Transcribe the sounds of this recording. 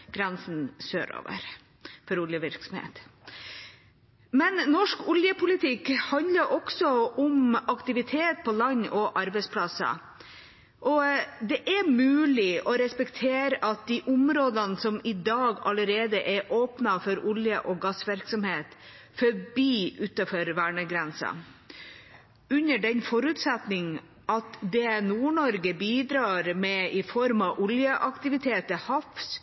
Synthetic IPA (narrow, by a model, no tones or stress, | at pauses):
ɡ̥ɾɛnsn̩sø̰ːɾo̰ːʋə̰ɾ | fɔɾʊljəʋɪɾksɔmhḛːt̪ | mɛnnɔʂkʊljəpʊlɪt̪ʰɪkhɑnd̪ləɾʔɔksɔʊmɑkt̪ɪʋɪt̪ʰeːt̪̚pʰɔlɑɲːɔʔɑɾbɛɪspʰlɑsə̰ | ʔɔd̪ɛʔɛɾmʉːlɪɔɾɛspɛkt̪ʰeːɾʔɑt̪̚d̪iʔʊmɾoːd̪ɑnsɔmɪd̪ɑːɡɑləɾeːd̪əʔɛɾʔoːpnɑfɔɾʊljəʔɔɡɑsʋɪɾksɔmheːt̪ | fɔbiːʉt̪ɑfɔɾʋæːɳəɡɾɛnsɑ̰ | ʉnəɖɛnfɔɾʉːt̪sɛt̪nɪŋ | ʔɑt̪d̪ɛnuːɳɔɾɡəbiːd̪ɾɑːɾmɛɪfɔɾmɑʔʊljəʔɑkt̪ɪʋɪt̪ʰeːt̪əhɑfs